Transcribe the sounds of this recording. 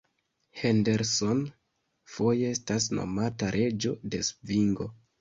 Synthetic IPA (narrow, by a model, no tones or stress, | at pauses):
hende̞ɾso̞n | fo̞je̞estasno̞̰mataɾʔe̞d͡ʒo̞de̞sviŋɡo̞